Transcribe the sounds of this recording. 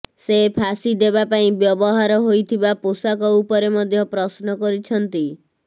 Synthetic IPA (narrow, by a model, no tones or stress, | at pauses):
sepʰasid̪ebapaĩbjɔbɔɦaɾɔɦojt̪ʰibaposakɔupɔɾemɔd̪ʱjɔpɾɔsnɔkɔɾit͡ʃʰɔnt̪i